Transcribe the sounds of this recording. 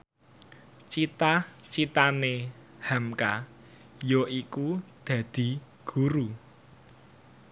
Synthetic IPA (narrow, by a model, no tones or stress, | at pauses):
t͡ʃit̪at͡ʃit̪ane | hamka | joʔikud̪̥ä̤d̪̥i̤ | ɡ̥uɾu